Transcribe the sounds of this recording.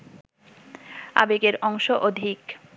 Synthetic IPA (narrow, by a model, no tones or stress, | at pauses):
a̰bekeɾɔŋʃoʔod̪ʱik